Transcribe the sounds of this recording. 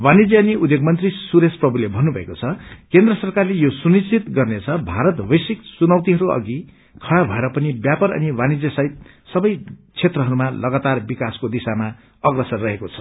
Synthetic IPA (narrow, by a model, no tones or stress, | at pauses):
wanid͡zjeʌniud̪joɡmʌnt̪risuɾesprʌbʱulebʱʌnːubʱʌekot͡sʰʌkend̪rʌsʌrkarlejosunist͡sit̪ɡʌrnet͡sʰʌbʱaɾʌt̪bʌjsiksunʌwt̪iɦʌɾuʌ̰ɡi | kʰʌɽabʱʌeɾʌpʌnibjapʌɾʌ̰niwanid͡zjesajt̪̚ | sʌbʌjt͡sʰet̪rʌɦʌɾumalʌɡat̪arbikaskod̪isama | ʌɡrʌsʌnrʌɦekot͡sʰʌ̥